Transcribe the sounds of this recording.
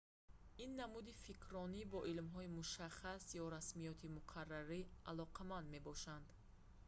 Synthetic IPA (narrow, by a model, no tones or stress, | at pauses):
inːamud̪ifikʰɾɔnibɔʔilmɦɔimuʃaχasjɔɾasmijɔt̪ʰimuqʰarːaɾialɔqʰamand̪me̞bɔʃand̪